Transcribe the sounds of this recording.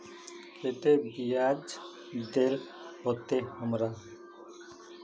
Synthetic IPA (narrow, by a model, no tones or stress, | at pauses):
ket̪ebijad͡ʒ | d̪eɾ | ɦot̪ehəmɾa